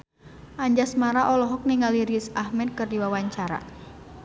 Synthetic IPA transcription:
ʔaɲd͡ʒasmaɾaʔɔlɔɦɔk̚niŋaliɾisahmɛd̚kɨrdiwawaɲt͡ʃaɾa̰

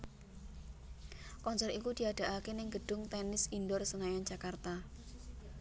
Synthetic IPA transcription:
kɔnsɔɾikud̪̥i̤ad̥a̤ʔakenɪŋɡəɖ̥ʊŋt̪ɛnɪsindɔrsənajan̥d͡ʒ̥akart̪a

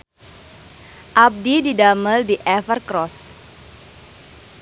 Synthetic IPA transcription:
ʔap̚dididaməldiʔɛfərkɾɔs

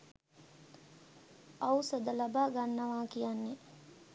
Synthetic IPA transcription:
awsəd̪əlabaːɡanːəʋaːkijanːe

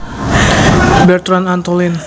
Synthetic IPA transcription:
bɛrt̪ɾanant̪ɔlɪn

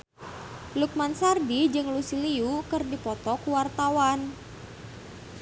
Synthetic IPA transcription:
luk̚mansardid͡ʒɨŋlusiliukɨrdipɔt̪ɔkuwart̪awan

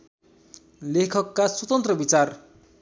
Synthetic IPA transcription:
lekʰʌkːaswʌt̪ʌnt̪rʌbit͡sar

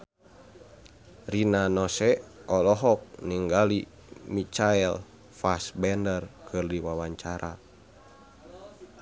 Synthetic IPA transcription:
rinanɔsɛɔlɔɦɔk̚niŋɡali | mit͡ʃaɛl | fasbɛndərkɨrdiwawaɲt͡ʃaɾʔa

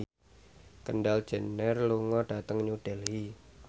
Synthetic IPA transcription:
kənɖald̥ʒ̥ə̤nːərluŋɔɖ̥a̤t̪əŋɲuɖ̥ɛlɦi

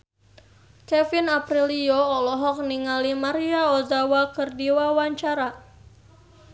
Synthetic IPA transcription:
kɛfinapɾilijɔɔlɔɦɔk̚niŋalimaɾiaɔdawakərdiwawaɲt͡ʃaɾa

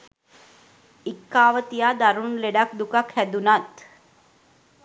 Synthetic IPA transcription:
ikːaːʋət̪ijaːd̪aɾunleɖakd̪ukakhæd̪unat̪

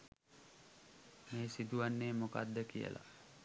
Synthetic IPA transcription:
meːsid̪uʋanːeːmoka̰d̪ːəkijə̰la̰

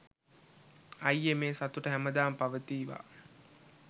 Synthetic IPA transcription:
ɐjːemeːsat̪uʈəɦæməd̪aːmpaʋət̪iːʋa̰ː

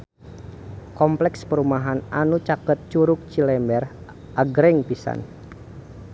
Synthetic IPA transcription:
kɔmplɛkspəɾumaɦananut͡ʃakət̪̚t͡ʃuɾʊk̚t͡ʃilɛmbɛr | ʔaɡɾɛŋpisa̰n

